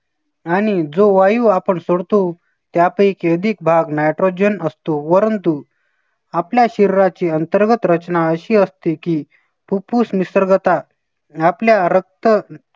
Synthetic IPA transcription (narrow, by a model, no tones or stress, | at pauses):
aɽ̃id͡zoʋajuːapəɳsoɽt̪o | t̪japəikeəd̪ʱik̚bʱaɡnajʈɾod͡ʑənəst̪opəɾənt̪u | apljaɕiɾɾat͡ɕiːənt̪əɾɡət̪ɾət͡ɕnaəɕiːəst̪iki | pupusmisəɾɡt̪a | apljaɾək̚t̪ə